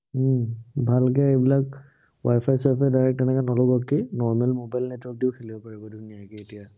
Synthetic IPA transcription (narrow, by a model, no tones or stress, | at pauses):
bʱalkɛebilak | wajpʰajsɔpʰɛdajɹɛk̚tɛnɛkanɔlʊɡɔkːinɔɹmɛlmobajlnɛtwɔɹk̚diʊkʰelibɔpaɹibɔduniakɛetija